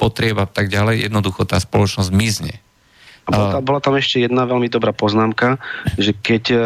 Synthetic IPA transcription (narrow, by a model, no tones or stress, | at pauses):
pɔt̪ɾɪɛbat̪aɡɟalɛjjɛ̰d̪nɔd̪uxɔt̪aːspɔlɔt͡ʃnɔzɟmizɲɛ̰ | abɔabɔlat̪amɛʃcɛjɛd̪naʋɛlmid̪ɔbɾaːpɔznaːmkaʒɛkɛc